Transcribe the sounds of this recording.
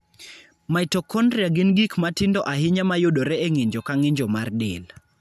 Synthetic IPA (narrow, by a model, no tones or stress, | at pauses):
majtɔkʰɔndɾjaɡɪnɡikmatɪndɔʔaɦɪɲamajodoɾɛeŋɪɲd͡ʒɔkaŋɪɲd͡ʒɔmardɪl